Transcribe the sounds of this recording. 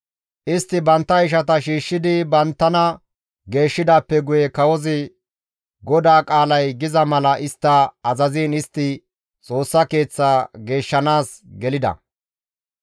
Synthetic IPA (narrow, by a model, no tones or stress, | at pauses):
ʔɪst̪ːɪbɐnt̪ːɐɪʃ̬ɐt̪ɐʃiːʃːɪd̪ɪbɐnt̪ːɐnɐ | ɡe̞ːʃːɪd̪aːpːɛɡʊjɛkɐwɔzɪ | ɡɔd̪aːkʼaːlɐjɡɪzɐmɐlɐʔɪst̪ːɐːzɐziːnɪst̪ːɪ | t͡sʼo̞ːsːɐke̞ːt͡sːaːɡe̞ːʃːɐnaːs | ɡɛlɪd̪ɐ̰